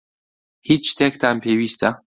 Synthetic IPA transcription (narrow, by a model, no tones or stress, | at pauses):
hit͡ʃːt̪ʰeːkt̪ʰaːmpʰeːwiːst̪ʰa